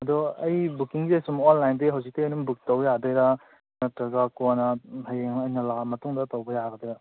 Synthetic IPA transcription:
ɐdɔɐjbukiŋzesumonlajndeɦawsik̚tejnumbuk̚tɔwjadɔjɾa | nɐtɾɐɡakɔnɐhajeŋɐjnɐlamɐtuŋdɐtɔwɡɐjaɡɐdɔjɾa

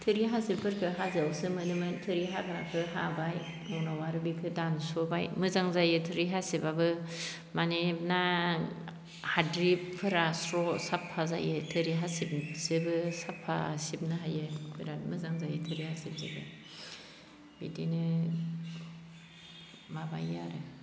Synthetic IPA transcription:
tʰɯɾiɦasip̚pʰɯɾkʰɯɦazɯawsɯmɯdɯmɯntʰɯɾiɦakɾa̰kʰɯɦa̰baj | nɔnawaɾɯbikʰɯdansɔbajmɯzaŋzajɯtʰɯɾiɦasibabɯ | manep̚na | hadɾippʰɯɾasɾɔsapʰːaza̰jɯtʰɯɾiɦasip̚sɯbɯsapʰːa̰sib̚nɯɦajɯbʰiɾamɯzaŋzajɯtʰɯɾihasip̚zɯ̰bɯ̰ | bidinɯ | maba̰jːa̰ɾɯ

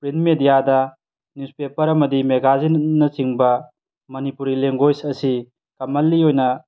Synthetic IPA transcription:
pɾinmedijadɐ | nuspepɐɾɐmɐdimeɡazinnːɐsiŋbɐ | mɐnipuɾileŋɡojsɐsi | kɐmɐlːiojnɐ

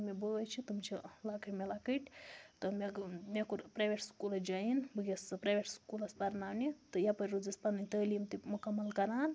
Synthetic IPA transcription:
mʲebəət͡ʃʰit̪umt͡ʃʰilakʰəʈmʲelakəʈʲt̪ɨmeɡmʲekuɾpɾeʋʲeʈskulɐd͡ʒainbɨɡʲespɾeʋʲeʈskulɐspɐɾnaːwnit̪ɨjapɐɾʲɾud͡zɨspɐnɨnʲt̪əːlimt̪imukɐmːɐlkɐɾaːn

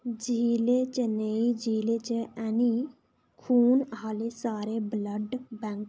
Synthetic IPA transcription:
d͡ʒiːlet͡ʃeneid͡ʒʱiːlet͡ʃeɛni | kʰuːnɦaːlesaːɾebləɖbɛŋk

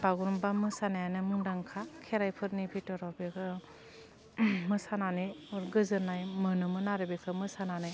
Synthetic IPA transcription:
baɡuɾumbamɯsanajanɯmundaŋkʰakʰeɾajpʰɯɾnibʰitɔɾabekʰɯ | mɯsananɯjɔɾɡɯzɯnajmɯnɯmɯnaɾɯbekʰɯmɯsananɯj

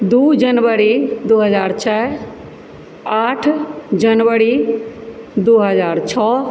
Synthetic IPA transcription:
d̪uːd͡ʒənʋəɾid̪oːɦəzaːɾt͡ʃʰɛ | aːʈʰd͡ʒənʋəɾi | d̪oːɦəzaːɾt͡ʃʰɔː

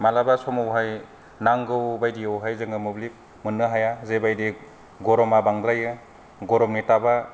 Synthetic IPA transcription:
malabasɔmɔwɦaj | naŋɡɯwbajdiawɦajzɯŋɯmublik̚ | mɯnːɯɦajazebajdi | ɡɔɾɔmabaŋdɾajɯ | ɡɔɾɔmnitaba

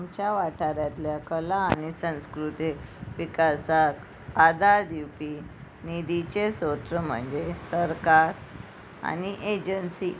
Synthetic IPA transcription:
mt͡ɕjaʋaʈʰaɾjat̪ljakəlaːnisə̃w̃skɾut̪iʋikasak | ad̪ad̪iwpi | nid̪it͡ɕesot̪ɾəm̤ə̰ɳd͡ʑesəɾkaɾ | a̰niʔed͡ʑənsi

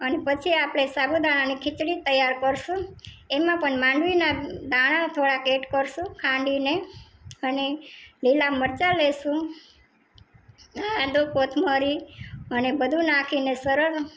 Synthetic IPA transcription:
ənepət͡ʃʰiapɽesabud̪aɽ̃anikʰɪt͡ʃɽit̪əjaɾkəɾʃũemãpəɳmãɳɖʋinad̪aɽ̃at̪ʰoɽakeʈkəɾʃũkʰãɳɖine | ənelilaməɾt͡ʃaleʃũ | aad̪okot̪ʰməɾiənebəd̪ʱũnakʰinesəɾəɾ

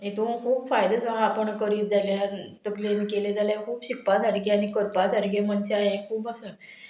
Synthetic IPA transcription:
et̪ũkʰuːbfajd̪əsəɦãːpəɳkəɾiːt̪̚d͡zaljat̪əklenikelet̪aljakʰuːbɕik̚pat̪aɾɡeañikəɾpat͡saɾɡemənseajekʰuːbasə

